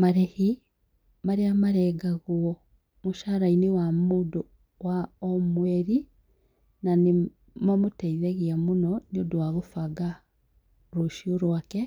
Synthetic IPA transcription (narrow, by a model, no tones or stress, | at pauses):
maɾɛhi | maɾeamaɾɛɡaɣuɔ | moʃaɾainewamoːdo | waɔmwɛɾi | nane | mamotɛiðɛɣeamonɔneodowaɣofaɡa | ɾoʃioɾwakɛ